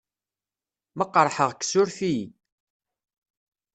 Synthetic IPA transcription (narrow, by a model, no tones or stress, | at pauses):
məqːɾˤħəʁkːsʊɾfii